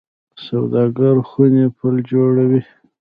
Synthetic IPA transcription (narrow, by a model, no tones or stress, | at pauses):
sawd̪ɑɡaɾxunepʰəld͡ʒoɽawi